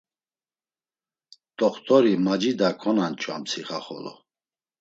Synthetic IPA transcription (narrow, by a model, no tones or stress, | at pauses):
t̪ʼɔχt̪ʼɔɾimad͡ʒid̪akʰɔnant͡ʃʼwa̰mt͡sʰiχa̰χɔ̰lɔ̰